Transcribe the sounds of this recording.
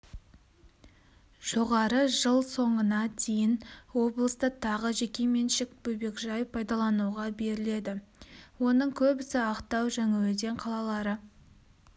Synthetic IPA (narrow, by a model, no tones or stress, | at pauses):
ʒ̥o̞ʁɑɾəʒəlˠso̞ɴənɑt̪ʰe̞jɪnwo̞blˠəst̪ət̪ʰɑʁəʒe̞kʲemenʃɪk̚bɵjbe̞kʒɑjəpʰːɑjd̪ɑlˠɑnuʁɑbe̞ɾɪle̞d̪ɪwo̞nəɴkʲʰɵbɪsɪɑqt̪ɑwʒæŋawɵd̪e̞ɴqʰɑlˠɑlˠɑɾə